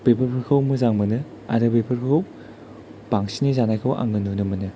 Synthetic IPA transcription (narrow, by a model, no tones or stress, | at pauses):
bepʰɐpʰɯɾkʰawmɯzaŋmɯnɯ | a̰ɾɯbepʰɯɾkʰaw | baŋsinizanajkʰɯwʔa̰ŋɯnunɯmɯnɯ